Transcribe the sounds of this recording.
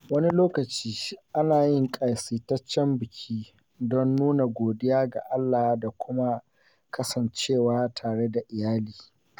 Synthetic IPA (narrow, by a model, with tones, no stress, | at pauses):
wɐ˦ni˦loː˦kɐ˨t͡ʃiː˦ʔa˦naː˨jɪ˦˨ŋkʼa˨jsiː˨tɐ˦t͡ʃːɛ˦mbɪ˨kʲʰiː˦ | dɔ˦nːuː˦na˨ɡʷoː˨dɪ˦jaː˦ɡa̰˨ʔa˦lːaː˨˦da˨kʷʊ˦ma˦ | kʰɐ˦sɐ˨nt͡ʃeː˦˨waː˦tʰaː˨ɽe˦da˨ʔɪ˨jaː˦liː˨